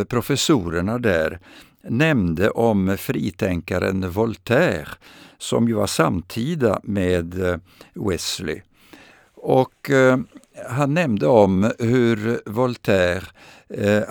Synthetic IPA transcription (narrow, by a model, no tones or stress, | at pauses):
pʰɾʊfɛsuːɾəɳad̪æːɾ | nɛmd̪əʔɔmfɾiːt̪ʰɛŋkaɾə̰nvɔlt̪ʰæːɾsɔ̰mjʉva̰samt̪ʰiːd̪a̰meːd̪ | wɛslɪ̰ | ɔk | ɦanːɛmnd̪əɔmhɵɾvɔlt̪ʰæːɾ